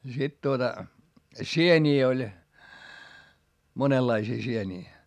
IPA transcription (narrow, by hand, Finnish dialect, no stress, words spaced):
jɑ sit tuotɑ sienʲiː olʲ monelːɑisiː sieniː